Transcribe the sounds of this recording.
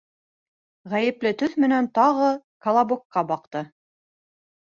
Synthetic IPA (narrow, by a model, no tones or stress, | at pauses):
ʁæjɘ̆plɘt̪ɵθmɘ̆nænt̪ɑʁɤkɐlˠɑbokːɑbɑq̚t̪ɤ